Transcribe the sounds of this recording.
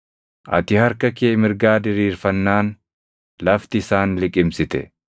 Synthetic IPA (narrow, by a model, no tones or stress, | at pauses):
ʔɐ̰t̪ɪhɐɾkɐkeːmɪɾɡaːd̪ɪɾiːɾfɐnːaːn | lɐft̪ɪːsaːnlɪkʼɪmsɪt̪ɛ̰